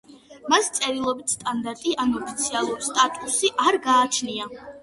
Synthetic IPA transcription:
mast̪sʼɛɾilˠɔbit̪ʰst̪ʼand̪aɾt̪ʼiʔanuɔpʰit̪sʰialˠuɾst̪ʼat̪ʼusiʔaɾɡaːt͡ʃʰnia

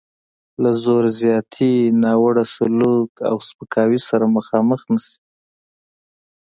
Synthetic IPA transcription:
lazoɾzjɑt̪ʰinɑwaɽasʊluka̰wspəkʰɑwisaɾaməxɑməxnasi̥

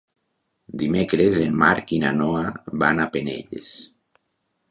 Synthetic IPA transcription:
d̪imekɾezenmaɾkina̰nɔaβanapenḛʎḛs

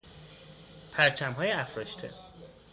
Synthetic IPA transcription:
pʰæɾt͡ʃʰæmɦɒːjeæfɾɒʃt̪ʰḛ

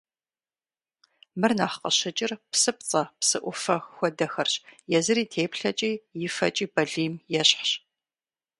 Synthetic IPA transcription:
mɨrnaːχqəɕɐt͡ʃʼɪrpsɨp̚t͡sʼɐpsɨʔʷʊfɐxxʷɔdɐxɐrɕjɛzɨɾiːtʰeːpɬɐt͡ʃʼiːjɪfɐ̰t͡ʃʼiːbɐɮiːmjɛɕħɕ

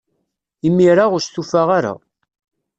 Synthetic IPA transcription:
imːiɾaʁʊɾst̪ufaʁaɾa̰

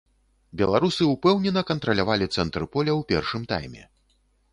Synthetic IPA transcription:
bʲɛlˠaɾusɨupɛwnʲɛnɐkɐnt̪ɾɐlʲavalʲit̪sɛnt̪ɾɨpɔlʲɐwpʲɛrʂɨmt̪a̰jmʲɛ̰

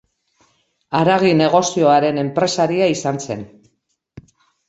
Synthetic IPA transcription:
aɾaɣine̞ɣ̞o̞sio̞aɾe̞ne̞mpɾe̞saɾiaisanse̞̰n

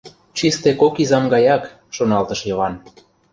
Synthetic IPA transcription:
t͡ɕist̪ekokizɑmɡɑjɑk | ʃonɑlt̪ə̆ʃjɤβɑn

